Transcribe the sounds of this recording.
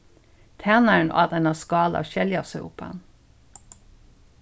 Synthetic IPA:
t̪ʰæːnəɳʔɑ̰ːd̪ɛnɑskɑːlɑ̰ʃɛljɑsɛʊ̰pʰə̰n

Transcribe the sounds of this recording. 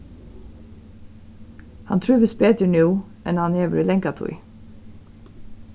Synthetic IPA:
hɑnt̪ʰɹʉːʋəsbeːt̪əɳjuː | ʔɛnhɑneːʋəɹiːlɛŋkɑt̪ʰʊ̰ɪ

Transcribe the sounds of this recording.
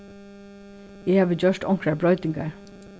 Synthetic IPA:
eːhɑːʋəd͡ʒœʃtɔŋkɹɑbɹɔʏt̪ɪŋɡɑ̰ɹ

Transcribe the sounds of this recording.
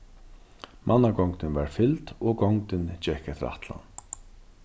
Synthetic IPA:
mʔanːaɡɔŋt̪ɪnvaɹfɪlt̪ɔɡɔŋt̪ɪnt͡ɕɛhkat̪ʰɪɾa̰ht̪la̰n

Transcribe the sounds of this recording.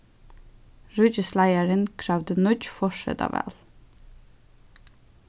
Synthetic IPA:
ɹʉd͡ʒəslæɪəɹənkʰɾɑʋd̪ənɔd͡ʒfɔʃɛ̰t̪ɑ̰ːʋæ̰ːl

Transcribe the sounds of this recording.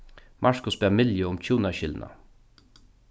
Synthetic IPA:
mʔaʂkʊsbæːmɪljəʊmcʰuːnaɕɪlna̰

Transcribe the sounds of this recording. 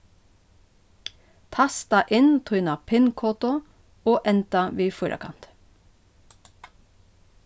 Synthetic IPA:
t̪ʰɑst̪ɑʔɪnt̪ʰʁʉːnɑpʰɪnkʰoːt̪ʊ | oːʔɛnt̪ɑʋiːfʊɾʔə̰kʰɑ̰nt̪

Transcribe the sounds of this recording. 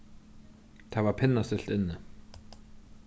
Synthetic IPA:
t̪ʰavapʰɪnːast̪ɪɬt̪ɪnːə

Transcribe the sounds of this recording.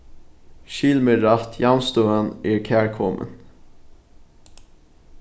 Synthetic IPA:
ʃɪlməɾɑft̪ʰjɑmst̪oːənʔeːɹkʰæːɹkʰɔmʔə̰n

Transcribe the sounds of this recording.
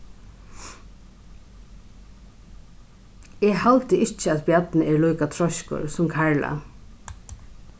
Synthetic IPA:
ɛːɣhalt̪əʔɪt͡ʃəaðbjat̪nəɛːɹlɔːkat̪ʰɾɔʃkʊ̰ɾsʊmkʰaɹla̰

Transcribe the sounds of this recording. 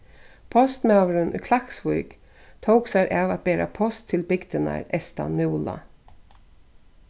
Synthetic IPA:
pʰɔst̪mawɾʏnʔʏ̰kʰlaksvujk | t̪ʰowksaɾʔaːvat̪̚beːɾa̰pʰɔst̪ʰːɪlbɪɡd̪əna̰ɹɛst̪a̰nmʉwla̰

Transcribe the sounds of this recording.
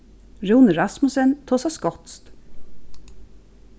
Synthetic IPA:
ɹuːnəɾɑsmʊsənt̪ʰoːsɑskɔt̪st̪

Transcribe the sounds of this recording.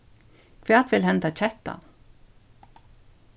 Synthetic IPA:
kʰʋæːt̪ʋɪlhɛnt̪ɑt͡ʃɛt̪ɑ̰

